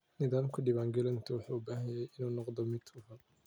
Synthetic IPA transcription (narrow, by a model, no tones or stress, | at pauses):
nɪðaːmkʰɐɖɪβaːŋɡɛlɐnt̪ʰɐwɑħuːʊbaːɦɐjɛjɪnuːnɔqd̪ɔmɪt̪ʊɦɐ